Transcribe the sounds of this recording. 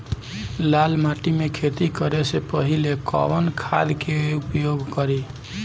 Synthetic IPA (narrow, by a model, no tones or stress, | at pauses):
lalmaʈimekʰet̪ikəɾesepəɦilekɔ̰bənkʰa̰d̪keupjoɡkʌɾi